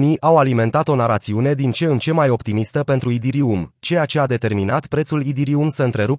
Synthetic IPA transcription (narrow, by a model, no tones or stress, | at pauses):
niʔʔawalime̞nt̪at̪o̞naɾat̪siune̞d̪int͡ʃe̞ɨnt͡ʃe̞majo̞pt̪imist̪əpent̪ɾuid̪iɾiumt͡ʃe̞jat͡ʃe̞ad̪e̞t̪e̞rminat̪pɾet̪sulid̪iɾiumsəɨnt̪ɾe̞ɾu